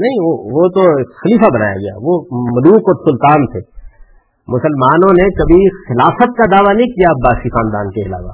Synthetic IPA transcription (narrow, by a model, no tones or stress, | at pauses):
nɐɦĩʋoʋot̪oxɐliːfabɐna̰ːja̰ɡɐja̰ʋomɐluːkɔːɾsʊlt̪aːnt̪ʰeː | mʊsəlmaːnõnekɐbʱixɪlaːfət̪̚kad̪aːʋanɐɦĩkijabaːsixaːnd̪a̰ːnkeɪla̰ːʋa̰ː